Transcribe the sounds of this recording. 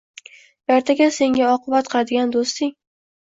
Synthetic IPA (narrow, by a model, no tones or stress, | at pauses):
jaɾt̪ʰaɡʲase̞ŋɡʲaɒqʰɨbat̪qʰɨlˠad̪ɪɡʲand̪ost̪ɪŋ